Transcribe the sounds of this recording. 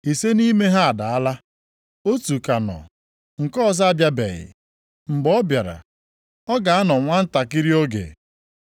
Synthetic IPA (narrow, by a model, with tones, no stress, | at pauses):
i˨se˦ni˦me˦ɦa˦a˨da˨a˦la˦ | o˦tu˨ka˨nɔ̰˨ | ŋ̩˨kɔ˦za˦˨bja˦bḛ˨ɣɪ̰˨ | ŋ͡m̩˨ɡ͡bɔ˦bja˨ɾa̰˨ | ɔ˦ɡa˨a˦nɔ˨ŋʷa˦n̩˦ta˨ki˦ɾi˦o˦ɡḛ˨